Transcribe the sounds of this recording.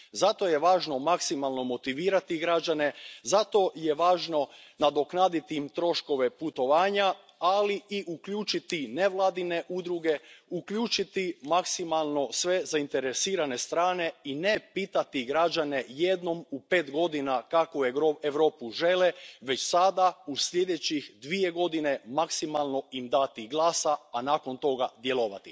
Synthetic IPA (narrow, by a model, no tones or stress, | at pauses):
zat̪o̞je̞ʋaːʒno̞maksimalˠno̞mo̞t̪iʋiːɾat̪iɡɾad͡ʒane̞zat̪o̞je̞ʋaːʒno̞nad̪o̞knaːd̪it̪iimt̪ɾo̞ʃko̞ʋe̞put̪o̞ʋaːɲa | aliiʔukʎuːt͡ʃit̪ineʋlˠaːd̪ine̞ʔud̪ɾuɡe̞ukʎuːt͡ʃit̪imaksimalˠno̞sʋe̞zaint̪e̞ɾesiːɾane̞st̪ɾaːne̞inepiːt̪at̪iɡɾad͡ʑane̞jed̪no̞mupeːt̪ɡo̞d̪inakakooeʋɾo̞ːpuʒe̞leʋe̞t͡ɕsad̪ausʎe̞d̪e̞t͡ɕixd̪ʋie̞ɡo̞d̪ine̞maksimalˠno̞imd̪at̪iɡlˠaːsaːnaːko̞nt̪o̞ɡad̪je̞loʋa̰t̪i